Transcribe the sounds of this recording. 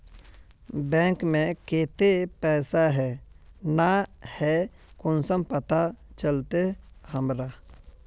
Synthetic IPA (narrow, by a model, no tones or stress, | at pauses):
bɛ̃ːŋkmẽkeːt̪epɛːsaɦɛːnahɛ | kʊnsəmpət̪at͡ʃəlt̪ehəmɾa